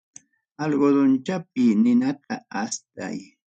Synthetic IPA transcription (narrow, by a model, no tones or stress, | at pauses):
alɢod̪ʊnt͡ʃap̚ɪnɪnat̪aast̪a̰j